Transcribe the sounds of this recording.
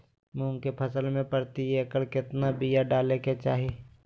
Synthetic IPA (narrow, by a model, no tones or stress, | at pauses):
muːŋkepʰəsəlmẽpəɾt̪ieːkəlkɪt̪nabijaɖaːleket͡ʃa̰ːɦi